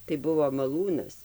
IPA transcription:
tɐɪ ˈbʊʋoː mɐˈlˠuːnɐs

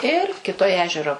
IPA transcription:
ɪr kʲɪˈtoːj ˈæːʒʲɛroː

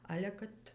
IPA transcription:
ˈɑːlʲɛ kɐt

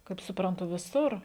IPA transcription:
kɐɪp sʊprɐnˈtʊ ʋʲɪˈsʊr

